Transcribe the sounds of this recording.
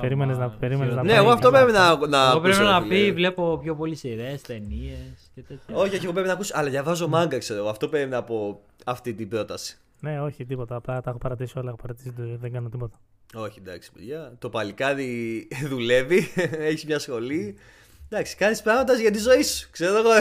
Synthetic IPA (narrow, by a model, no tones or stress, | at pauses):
peɾimeneznɐpeɾimenezznɐneːɣoɐft̪opɾepinɐnɐɣopɾenɐpivle̞po̞pço̞po̞lisiɾeːst̪e̞nie̞scet̪et̪çɐo̞çio̞çiɣopɾepinɐkusɐlɐðʝɐvɐzo̞mɐŋɡɐkse̞ɾoɣoɐft̪o̞peɾimenɐpo̞ | ɐft̪it̪ibɾo̞t̪ɐsi̥ | neo̞çit̪ipo̞t̪ɐːplɐt̪ɐxopɐɾɐt̪isiolɐexopɐɾɐt̪i̥sit̪ðeŋɡɐnot̪ipo̞t̪ɐ̥ | o̞çid̪ɐksi̥peʝɐt̪o̞pɐlikɐðiðule̞vieçizmɲɐsxo̞li | d̪ɐksi̥kɐnispɾɐɣmɐd̪ɐzʝɐt̪̬izo̞isu̥kse̞ɾooɣo